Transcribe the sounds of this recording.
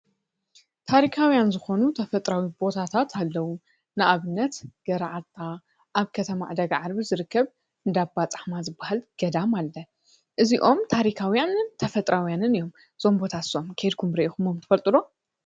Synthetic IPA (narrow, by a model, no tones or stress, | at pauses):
t̪ʰaɾikʰawjanzɨxo̞nut̪ʰɐfɐt̪ʼɾawibo̞t̪ʰat̪ʰat̪ʰalːɐwu | nɨʔaβɨnːɐt̪ɡ̥ɐɾaʕat̪ʰːa | ʔaβkʰɐt̪ʰɐma̰ʕd̪ɐɡaʕaɾbizɨɾɨkːɐβ | ʔɨnd̪abat͡sʼaħmazɨbːahalɡ̥ɐd̪amalːɐ | ʔɨziʔo̞mt̪ʰaɾikʰawjanɨnt̪ʰɐfɐt̪ʼɾʔawjanɨnɨjo̞m | z̥o̞mbo̞t̪ʰaso̞mkʰɐjd̪kʰumɾɐʔikumomt̪ʰɨ̥fɐlt̪ʼɨɾo̞